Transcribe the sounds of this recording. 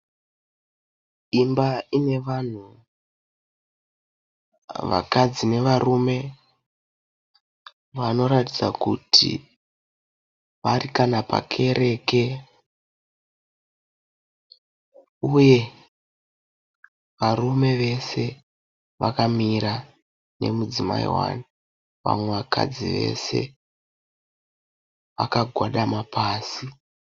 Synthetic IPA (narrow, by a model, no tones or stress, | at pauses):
imbaine̞ʋan̤u | ʋa̰kad͡zine̞ʋarume̞ | ʋano̞ɾatid͡za̰kṵtʰḭ | ʋarikanapa̰kʰe̞ɾe̞ːke̞ | uje̞ | ʋarume̞ʋe̞se̞ | ʋakamiɾa | ne̞̰mud͡zima̰ḭwa̰na | ʋa̰mwe̞ʋaka̰d͡ziʋe̞̰se̞̰ | ʋa̰kaɡʱwaɗamapaːsi